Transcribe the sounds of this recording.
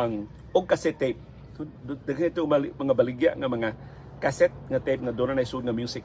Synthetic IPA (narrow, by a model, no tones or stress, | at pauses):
aŋ | ʊɡ̚kasɛt̪ːep̚ | dd̪aɡanit̪ʊalmaŋabalɪɡja̰ʔŋamaŋa | kasɛt̪̚ŋat̪ejp̚ŋad̪onanajsud̪̚ŋamjusɪk